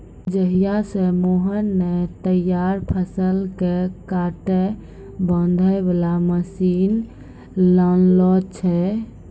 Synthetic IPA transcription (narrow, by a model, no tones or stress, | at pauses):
d͡ʒəɦijasẽmoɦənːet̪əjaɾpʰəsəlkekaʈe | bənd̪ʱəebelaməsin | lənlɔt͡ʃʰɛ